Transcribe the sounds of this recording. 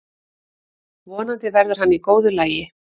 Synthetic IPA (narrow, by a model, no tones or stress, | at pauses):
vɔːnant̪ɪvɛɾðʏɾ̥ɦanːikoːwðʏlaːjɪ